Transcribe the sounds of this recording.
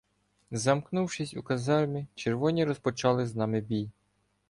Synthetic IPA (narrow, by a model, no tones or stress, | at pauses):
zɐmknuwʃɪsʲukɐzɑrmʲit͡ʃerʋɔnʲiɾɔspɔt͡ʃɑlˠɪznɑmɪbʲij